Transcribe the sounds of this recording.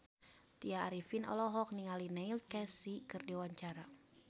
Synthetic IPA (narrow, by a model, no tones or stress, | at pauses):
t̪iaːɾifinɔ̰lɔɦɔk̚niŋalineilt̪̚kɛsikɨrdiwaɲt͡ʃaɾa